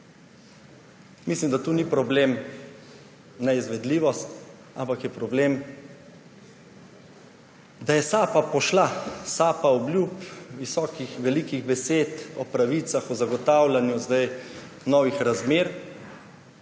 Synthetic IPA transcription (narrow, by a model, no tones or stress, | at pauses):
mislimd̪at̪uːnipɾɔbleːm | nɛizʋɛd̪liːʋɔst̪ | a̰mpakjɛpɾɔbleːm | d̪ajɛsaːpapɔʃlasaːpaɔblʲjupʋisɔːkixʋɛlikiɣbɛseːt̪ɔpɾaʋiːt̪saxɔzaɡɔt̪aːwlanjuzd̪aj | nɔːʋixɾazmeːɾ